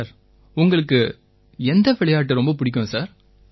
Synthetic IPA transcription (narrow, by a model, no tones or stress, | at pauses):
ɾ | ʊŋɡɐɭɯkːɯ | ɛnd̪ɐʋɛɭɐjaːʈ̬ːɯɾɔmbɐpʊɽɪk̬ʲːʊ̃saːɾ